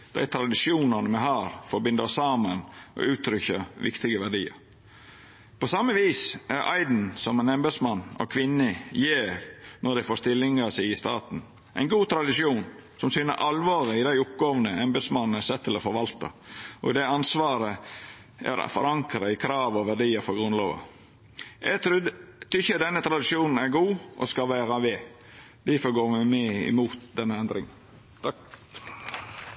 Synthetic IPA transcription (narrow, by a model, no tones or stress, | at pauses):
d̪̥æ̰ɪt̪ʰɾɑd̪ɪʂjuːnɑnəmɛɦɑːɾfɔɾbɪnd̪əsɑːmənʔɔ̰ʔʉːt̪ʰɾʏçəʋɪ̰kt̪ɪɡəʋæɖiːə̰ɾ | pʰɔsɑmːəʋiːsʔæɾʔɑ̰ɪd̪n̩sɔmɛnɛmbɛd̪smɑnːɔ̰kʰʋɪnːəjeːnɔɖ̪æɪfoːst̪ɪlːɪŋəsɪɪɪst̪ɑːt̪n̩ | ʔæ̰ɪnɡuːt̪ʰɾɑd̪ɪʂjuːnsɔmsyːnə̰ʔɑlʋoːɾəɪd̪æɪʊp̚ɡoːʋnəɛmbɛd̪smɑnn̩əsɛt̪ʰːɪlɔfɔɾʋɑlt̪ɑ̰ʔɔ̰d̪ɛɑnsʋɑːɾə | æ̰ɾfɔɾɑŋkɾəɪkʰɾɑːʋɔʋæɖiːəfɔɡɾʉnlo̰ːʋɑ̰ | ʔɛt̪ʰɾʉt̪ʰʏçəd̪ɛnːət̪ʰɾɑd̪ɪʂuːnn̩æɾɡuːʔɔ̰skɑlʋæːɾɑʋeː | d̪̥æfɔɡoːɾʋæmeɪ̰muːt̪d̪ɛnːəɛnd̪ɾɪŋ | t̪ɑ